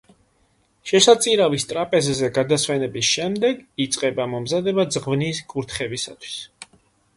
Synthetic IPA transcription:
ʃɛsat̪sʼiɾavist̪ʼɾapʼɛzɛzɛɡad̪aswɛnɛbisʃɛmd̪ɛɡit̪sʼqʼɛbamɔmzad̪ɛbazʁvniskʼuɾt̪ʰχɛbisa̰t̪ʰwi̥s

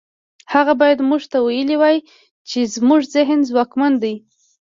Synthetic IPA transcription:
haɣabɑjad̪muʐt̪awajəliwaj | t͡ʃezmuʐzɪɦnzwɑkmand̪aj

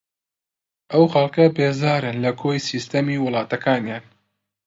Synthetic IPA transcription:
ʔɐwxɐlˠkɐbeːzaːɾɨnlɐkʰoːjsiːst̪ɐmiːwʊlˠɑːt̪ɐkʰaːnjaːn

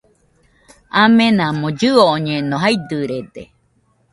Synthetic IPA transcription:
amẽnãmõd͡ʒɨoʔoɲẽnõɦajd̪ɨɾed̪e

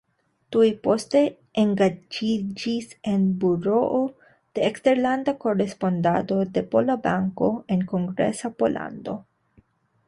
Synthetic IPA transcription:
tujpo̞ste̞ | eŋɡad͡ʒid͡ʒise̞nbuɾo̞ʔo | d̥e̞ːkste̞ɾlandako̞ɾe̞spo̞ndado̞de̞po̞labaŋko̞e̞nko̞ŋɡɾe̞̰sapo̞la̰ndo̞

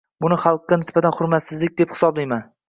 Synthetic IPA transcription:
bʊnɪχɑlˠq̚ɡɑnɪsbat̪ʰanχʊɾmat̪sɪzlɪk̚ʲd̪epχɪ̥sɒblajman

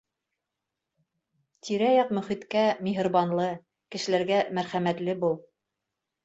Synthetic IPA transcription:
t̪iɾæjɑqmɵ̆χit̪kæmiɦɤ̆ɾβɑnlˠɤ | kɘ̆ʃɘ̆læɾɡæmæɾχæmæt̪lɘbulˠ

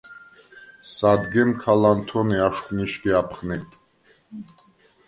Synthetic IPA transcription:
sad̪ɡɛnkʰalant̪ʰɔniaʃχniʃkɛapʰχnɛt̪ʰʼ

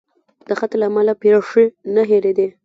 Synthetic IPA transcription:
d̪̥əxat̪laːmalapeɾaʂinaɦeled̪e

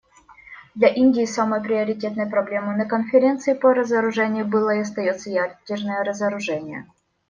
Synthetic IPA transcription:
d̪lʲɐʔinʲdʲɪːsaməjpɾʲɪɐɾʲɪtʲet̪nəjpɾɐblʲe̞mɨnəkənfʲɪɾʲe̞nt̪sɨɪpəɾəzəɾʊʐɛnʲɪjʊbɨlˠəɪɐs̬t̪ɐjot̪səjadʲɪrnəjəɾəzəɾʊʐɛnʲɪjə̰

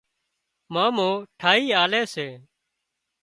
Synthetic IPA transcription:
mãːmõːʈʰaːɦiːaːleːseː

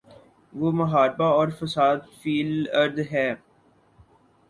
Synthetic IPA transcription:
ʋoːmɐɦaːɾbaɔːɾfəsaːd̪fiːləɾd̪ɦɛː

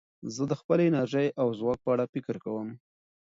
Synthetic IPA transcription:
zəd̪əxpəlɪnaɾʒəjʔawzwɑk̚pəaɽafɪkəɾkawəm

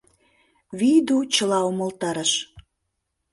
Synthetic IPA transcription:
βijd̪ut͡ɕəlɑumə̆lt̪ɑɾəʃ

